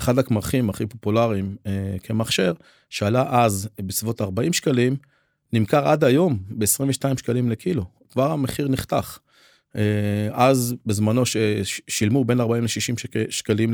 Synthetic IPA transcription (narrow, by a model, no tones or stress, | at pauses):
χad̪akmaχimaχipo̞pulaʁimekʰemaχʃeʁ | ʃealaʔazbet͡svo̞taʁbaimʃkalim | nimkaʁad̪ajo̞mbe̞esʁiɱveʃtaimʃkalimlekilo | kvaʁameχiʁniχt̪aχ | eʔazbezmano̞ʃeʃilmube̞naʁbaimleʃiʃimʃkalim